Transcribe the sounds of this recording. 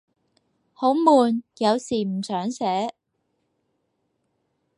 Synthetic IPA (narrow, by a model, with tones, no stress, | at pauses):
ho˨˥wmuː˨njɐ˨˧wsiː˨˩m̩˨˩sœː˨˥ŋsɛː˨˥